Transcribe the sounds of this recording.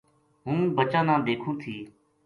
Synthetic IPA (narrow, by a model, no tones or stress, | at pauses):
ɦũːbət͡ʃãːnãːd̪eːkʰũːt̪ʰiː